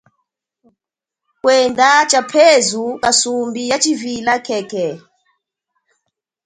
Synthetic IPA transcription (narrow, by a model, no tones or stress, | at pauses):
kwɛndat͡ʃapʰezukʼasumbijat͡ʃivilakʰɛkɛ